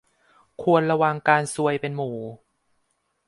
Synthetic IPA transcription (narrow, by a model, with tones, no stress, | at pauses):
kʰu˧ənɾa˧wa˧ŋkaː˧nsu˧əjpe˧nmuː˩˦